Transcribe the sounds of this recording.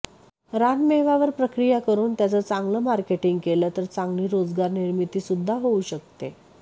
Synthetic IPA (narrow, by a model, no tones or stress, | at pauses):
ɾanmeɦʋaʋəɾpɾəkɾijakəɾuːnt̪jat͡sət͡sãŋɡləmaɾkeʈiŋɡkelət̪əɾt͡sãŋɡliːɾod͡zɡaɾniɾmit̪iːsud̪ʱːaɦouɕək̚t̪e